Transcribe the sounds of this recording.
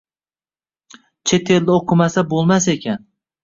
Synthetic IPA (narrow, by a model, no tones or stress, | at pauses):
t͡ʃʰe̞t̪ʰe̞ld̪ɪoqʰɨmasabolˠmase̞kʲan